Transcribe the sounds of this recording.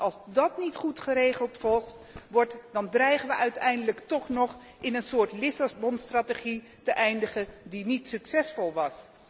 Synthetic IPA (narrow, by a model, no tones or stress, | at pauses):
ʔɑlˠzdɑtnitχutχəɾejχəlˠtfɔlˠχt | ʋɔɹtdɑndrɛjχənʋəʔœɥtɛjndələktɔχnɔχ | ɪnənsʊːɹtlɪsabɔnstrateχi | təʔɛjndəχədinitsyksɛsfɔlˠʋɑs